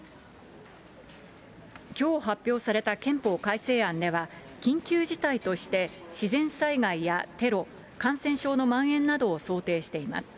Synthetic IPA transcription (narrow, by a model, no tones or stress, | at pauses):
kʲo̞ːɦapʲːjo̞ːsaɾe̞t̪akẽ̞mpo̞ːkaise̞ːãnd̪e̞βa | kʲĩŋkʲɨːʑit̪ait̪o̞ɕi̥t̪e̞ɕizẽ̞ɰ̃saiɡaijat̪e̞ɾo̞ | kãɰ̃sẽ̞ɰ̃ɕo̞ːno̞mãɰ̃ẽ̞nːad̪o̞ːso̞ːt̪e̞ːɕi̥t̪e̞ima̰sɨ̥